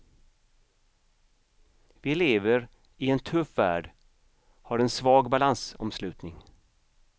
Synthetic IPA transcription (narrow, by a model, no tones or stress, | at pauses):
vɪleːvəɾ | ɪɛnt̪ʰɵfːæ̰ːɖ | hɑɾɛnsvɑːɡbalansɔ̰mslʉ̟ːt̪nɪŋ